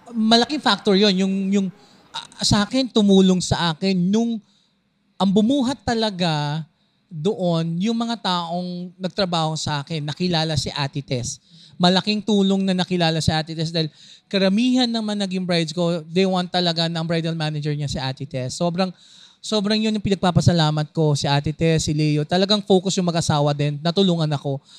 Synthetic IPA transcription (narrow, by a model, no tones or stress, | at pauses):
mɐlɐkɪŋfak̚t̪oɹjo̞njʊŋjʊŋ | ʔsɐʔaːkɛnt̪ʊmuːloŋsɐʔaːkɛnjʊŋ | ʔɐŋbʊmuːɦɐt̪ːɐlɐɡa | d̪oʔonjʊŋmɐŋat̪aːʔo̞ŋnɐɡ̚t̪ɾɐbaːho̞sɐʔaːkɛnːɐkɪlaːlɐsɪʔaːt̪ɪt̪ɛsmɐlɐkɪŋt̪uːlo̞ŋnɐnɐkɪlaːlɐsɪʔaːt̪ɪt̪ɛsd̪aːhɪlkɐɾɐmiːɦɐnːɐŋmɐŋanɐɡɪŋbɹajd̪sko̞d̪ejwant̪ːɐlɐɡanɐʔɐŋbɹajd̪ɐlmaːnɐd͡ʒɛɹɲasiʔaːt̪ɪt̪ɛsːoːbɾɐŋ | soːbɾɐŋjonjʊŋpɪnɐɡ̚paːpɐsɐlaːmɐt̪̚ko̞siʔaːt̪ɪt̪ɛsːɪlɛjot̪ɐlɐɡaŋfo̞ːkʊsjʊŋmɐɡʔɐsaːwɐd̪ɛnːɐt̪ʊluːŋɐnɐko̞